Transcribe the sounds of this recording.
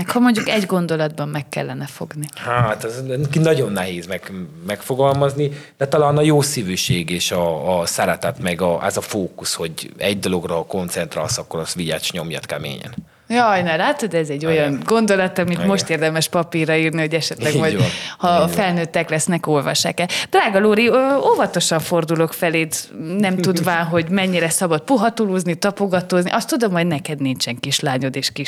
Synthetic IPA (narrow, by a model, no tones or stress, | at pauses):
ɛkhɒmo̞ɲɟukɛɟɡo̞nd̪o̞lɒd̪bɒmːɛkːɛ̰lːɛnɛfo̞ɡnihaːt̪ɛzɛnkinɒɟo̞nːɛɦeːzmɛɡmɛkfoɡɒlmɒznid̪ɛt̪ɒlaːnɒjoːsivyʃeːɡeːʃɒːsɛɾɛt̪ɛt̪mɛɡɒʔɛzɒfoːkusho̞ɟɛ̰ɟd̪o̞lo̞ɡrɒko̞nt̪sɛnt̪ɾa̰ːlsɒkːoɾɒst̪ʋiɟa̰ːt͡ʃɲo̞mjɒ̰t̪kɛmḛːɲɛ̰n | jɒjnɛlaːt̪od̪ɛzɛɟːo̞jɒnɡo̞nd̪o̞lɒt̪ɒmit̪mo̞ʃt̪eːrd̪ɛmɛʃpɒpiːrːɒiːrnio̞ɟɛʃɛt̪lɛɡmɒjhɒfɛlnøːt̪ːɛklɛsnɛko̞lvɒ̰ʃːa̰ːkɛd̪̥raːɡɒloːɾiøovɒt̪oʃɒɱfo̞rd̪ulo̞kfɛleːd̪nɛmt̪ud̪ʋaːnɦo̞ɟmɛɲːiɾɛsɒbɒt̪̚puɦɒt̪oloːznit̪ɒpoɡɒt̪oːznḭʔɒst̪ud̪o̞mho̞ɟnɛkɛd̪nint͡ʃɛŋkiʃlaːɲo̞d̪eːʃkiʃ